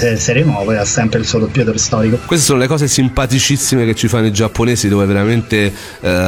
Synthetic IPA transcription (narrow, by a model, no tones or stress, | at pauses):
eseɾemɔːvoasːɛmpɾeilsuɔlopːjɛt̪oɾst̪ɔːɾikokwest̪esoːnolekɔːsesimpat̪it͡ʃisːimek̟et͡ʃːifanːoid͡ʒapːoneːsid̪oːveveɾament̪e